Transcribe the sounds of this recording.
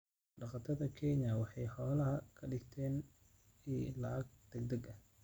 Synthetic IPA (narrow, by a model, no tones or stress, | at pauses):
ɖɑqɑt̪ʰɐðɐkʰɛɲɐwɑħɑjħɔːlɐɦɐkʰɐɖɪɡt̪ʰɛːn | ilɐɡ̚d̪̥ɛɡd̪ɐɡɐh